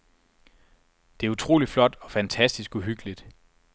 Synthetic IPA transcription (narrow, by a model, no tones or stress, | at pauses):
d̥e̝æɐut͡sʰʁo̝̰ːlid̥flɒ̽d̥ɒ̽fænt͡sʰæsd̥isɡ̥uɦyɡ̥əlid̥